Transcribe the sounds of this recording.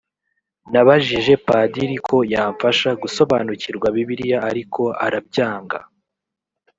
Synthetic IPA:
naβaʒiʒe̞padiɾikʰo̞jaːɱfaʃaɡuso̞βaːnuciɾɡwaβiβiɾijaːɾikʰo̞a̰ɾabɟaːŋɡa̰

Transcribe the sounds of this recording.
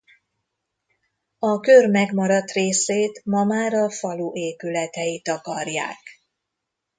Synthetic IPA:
ɒkørmɛɡmɒɾɒt̪reːseːt̪mɒmaːɾɒfɒluːʔeːpylɛt̪ɛjit̪ɒkɒrja̰ːk

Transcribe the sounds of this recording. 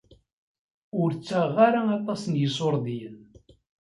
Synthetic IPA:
ʊɾt͡sːaʁːaɾaɑt̪ˤɑsənjəsˤoɾˤðjən

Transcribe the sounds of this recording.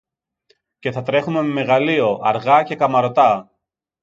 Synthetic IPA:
ce̞θɐt̪ɾe̞xume̞meme̞ɣɐlio̞ʔɐɾɣɐce̞kɐmɐɾo̞t̪ɐ

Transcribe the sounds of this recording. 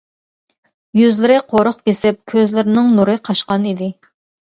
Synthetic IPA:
jyzlɪɾɪqʰoɾʊχbesɪp̚kʲʰøzlɪɾɪnɪŋnuɾɨqʰɑʃqɑnid̪ɪ

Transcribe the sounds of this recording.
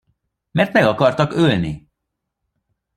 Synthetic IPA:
mɛrt̪mɛɡɒkɒrt̪ɒkølnḭ

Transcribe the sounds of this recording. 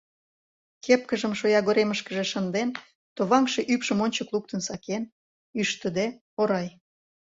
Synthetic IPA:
kep̚kəʒəmʃojɑɣoɾeməʃkəʒeʃənd̪en | t̪oβɑŋʃe̽ʔypʃəmonʲt͡ɕəkluk̚t̪ənsɑken | yʃt̪əd̪e | oɾɑj

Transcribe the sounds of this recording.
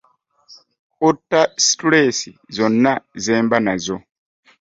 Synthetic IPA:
kotːastɺesizɔnːazɛːmbanazʷɔ

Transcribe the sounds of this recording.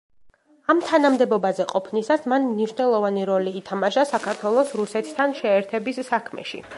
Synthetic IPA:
amt̪ʰanamd̪ɛbɔbazɛqʼɔpʰnisasmanmniʃnɛlˠɔvaniɾɔliːt̪ʰamaʃasakʰaɾt̪ʰwɛlˠɔsɾusɛt̪ʰt̪ʰanʃɛːɾt̪ʰɛbisːakʰmɛ̰ʃḭ

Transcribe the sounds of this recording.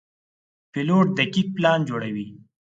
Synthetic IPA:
pɪloʈ̚d̪akik̚plɑnd͡ʒoɽawi

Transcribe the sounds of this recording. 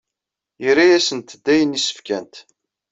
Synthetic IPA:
jəɾijæsənt̪d̪ːæjənisə̥fkænt̪

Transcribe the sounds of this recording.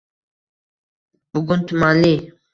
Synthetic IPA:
buɡunt̪ʰumaːli

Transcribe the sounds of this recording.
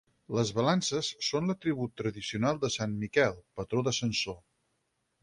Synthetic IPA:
ləzβəlansəsːonlət̪ɾiβ̞ut̪ːɾəðisiunalˠd̪əsanmikɛlˠpət̪ɾoðəsənso

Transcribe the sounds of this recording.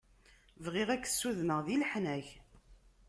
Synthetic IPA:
vʁiʁækːə̥sːuðnəʁðilħnæç

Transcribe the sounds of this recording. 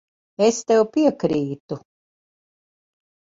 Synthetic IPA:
est̪ɛwpiɛkɾiːt̪u

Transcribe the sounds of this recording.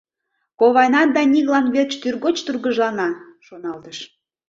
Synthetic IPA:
koβɑjnɑd̪ɑnʲiɣlɑnβet͡ɕt̪yrɣot͡ɕt̪urɣəʒlɑnɑʃonɑlt̪əʃ

